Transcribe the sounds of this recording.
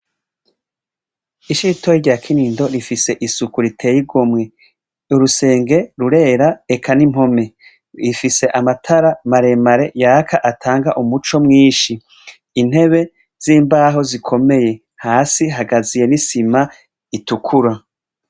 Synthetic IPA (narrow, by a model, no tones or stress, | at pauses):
iʃitojiɾɟaːkʰiniːndo̞ɾifise̞ʔisukuɾitʰe̞jiɡomŋe | uɾuse̞ːŋɡe̞ɾuɾe̞ːɾaekʰanimho̞me̞ | ifise̞ʔamatʰaɾamaɾe̞maɾe̞jaːkʰaʔatʰaːŋɡaʔumut͡ʃo̞mŋiːʃiː | n̥he̞βe̞ | z̥iːmbaːɦo̞zikʰo̞me̞je̞ | haːsiɦaɡazije̞nisima | itukʰuɾa